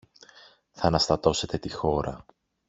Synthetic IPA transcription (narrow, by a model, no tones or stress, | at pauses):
θɐɐnɐst̪ɐt̪o̞se̞t̪e̞t̪ixo̞ɾɐ̰